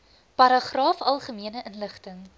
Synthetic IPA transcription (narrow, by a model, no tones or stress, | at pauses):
pɐɾɐχrɑːfɐlˠχəmiənəʔənləχtəŋ